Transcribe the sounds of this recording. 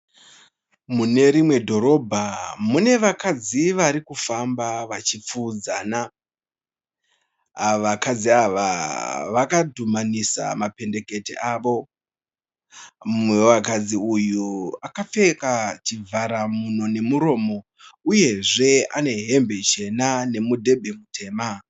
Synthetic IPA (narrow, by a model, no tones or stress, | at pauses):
mune̞ɾimwe̞dʱo̞ɾo̞bʱamune̞ʋakad͡ziʋaɾikufambaʋat͡ʃip͡fuːd͡zaːna | ʋakad͡ziaʋaʋakadʱumanisa̰mape̞nde̞ke̞tḛʔaːʋo̞ | muweʋakad͡ziujuakafe̞kat͡ʃivʱaɾamuno̞ne̞muɾo̞ːmo̞ | uje̞ʐe̞a̰ne̞ɦe̞mbe̞t͡ʃe̞nane̞mudʱe̞bʱe̞mutʰe̞ːma